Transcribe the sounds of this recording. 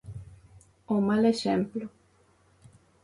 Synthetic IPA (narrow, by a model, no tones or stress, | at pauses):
omaleʃemplo